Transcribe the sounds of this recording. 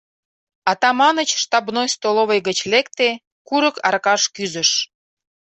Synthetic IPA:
ɑt̪ɑmɑnət͡ɕʃt̪ɑbnojst̪oloβəjɣət͡ɕlekt̪e | kuɾəkɑrkɑʃkyzəʃ

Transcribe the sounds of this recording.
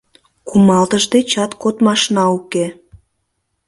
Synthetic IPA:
kumɑlt̪əʒd̪et͡ɕɑt̪kot̪mɑʃnɑuke

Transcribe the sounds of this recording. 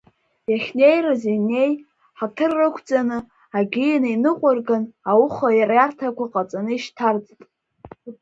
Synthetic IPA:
jaχʲne̞jrɨzine̞j | ħatʰɨrːɨkʷʰt͡sʼanɨ | aɡʲijanainɨqʷʼʊrɡanawuχajarjartʰakʷaqʼat͡sʼanɨiʃtʰart͡sʼtʼ

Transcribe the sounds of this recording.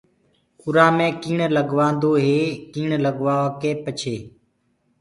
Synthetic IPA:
kʊɾãːmẽːkiːɳləɠʋãːnd̪oːɦeːkiːɳləɠʋaːʋaːkeːpət͡ʃʰeː

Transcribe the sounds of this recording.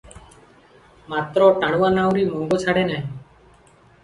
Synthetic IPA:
mat̪ɾɔʈaɽ̃uwanawɾimɔŋɡot͡ʃʰaɽenaɦĩ

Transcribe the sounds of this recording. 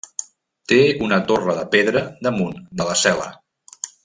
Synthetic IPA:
t̪eunət̪orəðəpeðɾəd̪əmund̪ələsɛlə̰

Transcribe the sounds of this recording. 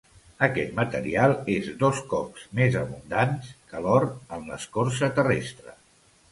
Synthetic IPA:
əkɛt̪mət̪əɾialˠezðoskɔpz̥mezəβund̪anskəlɔɾənlə̰skorsət̪ərɛ̰st̪ɾə

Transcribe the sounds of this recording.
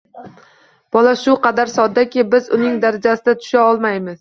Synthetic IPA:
b̥ɒlaʃʊqʰɑd̪aɾsɒd̪ːakʲɪbɪzʊnɪŋd̪aɾad͡ʒasɪd̪at̪ʰʊ̥ʃaɒlˠmajmɪz̥

